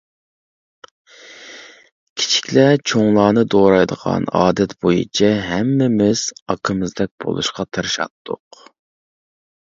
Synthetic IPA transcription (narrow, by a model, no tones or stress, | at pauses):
kʲʰi̥t͡ʃʰi̥kʲlɛt͡ʃʰoŋlˠɑːnɨd̪oɾɑjd̪əʁɑ̰nɑ̰ːd̪ɛt̪b̥ojḭt͡ʃʰɛɦɛmːɪmɪz̥ɑkʰəmɨzd̪ɛk̚ʲb̥o̰lˠṵʃqɑt̪ʰɨɾʃɑ̰t̪ʰːʊq